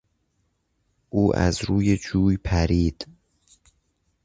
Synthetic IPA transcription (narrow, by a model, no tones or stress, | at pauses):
ʔuːʔæ̰zɾuːjed͡ʒuːjpʰæɾiːd̪̥